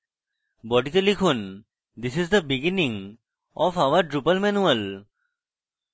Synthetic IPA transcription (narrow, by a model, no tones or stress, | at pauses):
bɔːɖikəlikʰʊ̃n | d̪ɪsɪzd̪əbɪɡɪnɪ̃ŋ | ʔɔfaʊəɾʈɾupəlmɛnuəl